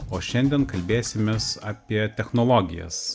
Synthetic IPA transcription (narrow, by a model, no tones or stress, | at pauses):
oːʃʲɛnʲd̪ʲiɛnkɐlʲbʲeːsʲɪmʲesaːpʲiɛt̪ʲɛxnɔlˠoːɡʲɪ̰jɛ̰s